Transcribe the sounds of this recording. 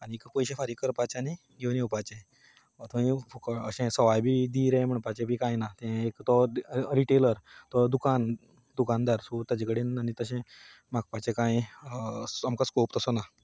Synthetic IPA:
añikpəjɕefaɾikəɾpat͡ɕani | ɡeʋniupat͡ɕẽ | ət̪ʰaĩfokəɕẽsəʋajbid̪iɾɛ̃m̤əɳpat͡ɕẽbikãjnat̪ɛ̃ekt̪ɔɾiʈeləɾt̪ɔd̪ukan | d̪ukand̪aɾsot̪jad͡ʑekəɽenanit̪əɕẽ | mak̚pat͡ɕẽkãj | amkaskopt̪əsona

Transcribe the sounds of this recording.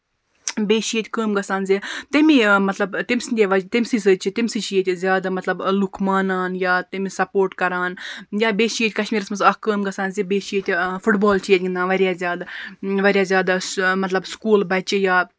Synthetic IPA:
beːʃijet̪ʲkəːmɡɐsaːnzit̪ɐmĩmɐt̪lɐbt̪imsinʲd̪ʲeʋɐt̪imʲsisəːt͡ʃʰit̪imʲsit͡ʃʰiet̪ʲizʲjaːd̪amɐt̪lɐblukʰmaːnaːnjaːt̪ɐmisɐpoːɾʈkɐɾaːnjaːbeːʃijet̪ʲkɐʃmiːɾɐsmɐt̪ɐkəːmɡɐsaːnzibeːʃiet̪ʲfʰuʈbaːlt͡ʃʰijet̪ʲɡind̪aːnʋɐɾʲjaːzʲjaːd̪aʋɐɾʲjaːzʲjaːd̪asmɐt̪lɐbskuːlbɐt͡ʃijaː

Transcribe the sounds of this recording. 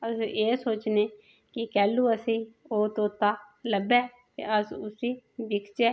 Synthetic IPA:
əseːsoːt͡ʃneː | kɪkɛːlːuːəsĩː | oːt̪õːt̪aːləbɛː | t̪ḛːəsʊsiːʋɪkt͡ʃeː

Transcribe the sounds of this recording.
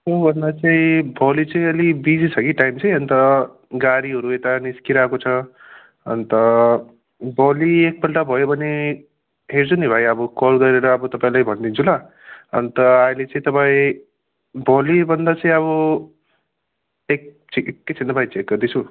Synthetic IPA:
obʱʌnd̪at͡saĩbʱʌlit͡sʌĩʌlibid͡zit͡sʰʌkiʈajmt͡sʰʌj̃ʌnt̪ʌ | ɡaɾiɦʌɾuet̪aniskiɾakot͡sʰʌ | ʌ̰nt̪ʌ | bʌliek̚bʌlʈabʱʌjobʱʌne | ɦeɾt͡sunibʱajʌbʌkolɡʌɾeɾʌːbʌt̪ʌpãĩlajbʱʌnd̪int͡sʰula | ʌ̰nt̪ʌajlet͡sʌ̃ĩt̪ʌpaĩ | bʱʌlibʱʌnd̪at͡sʌ̃ĩʌβʌ | ek | tʰikːet͡sʰint̪ːʌpaĩt͡sek̚ɡʌrd̪it͡sʰu

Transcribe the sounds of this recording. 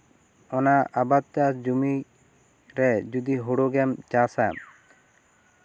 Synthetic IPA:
ɔnaabat̪̚t͡ʃasd͡ʒumi | ɾɛd͡ʒud̪iɦuɽoɡɛmt͡ʃasaa̰m

